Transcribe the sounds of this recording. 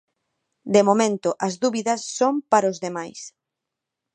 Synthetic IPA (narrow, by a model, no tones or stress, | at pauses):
d̪emomẽnt̪ʊʔɐzðuβiðɐsːompaɾozðemajs